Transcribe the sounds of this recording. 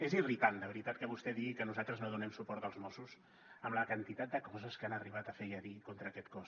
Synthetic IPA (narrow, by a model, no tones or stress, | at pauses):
ezirit̪alˠd̪əβəɾit̪at̪kəβust̪ɛðiɣikənuzalˠt̪ɾəznoðunɛmsupɔɾt̪əlˠzmɔsus | əmləkənt̪it̪at̪̚d̪əkɔzəskanəriβat̪əfejəɾikont̪ɾəːkɛt̪kɔs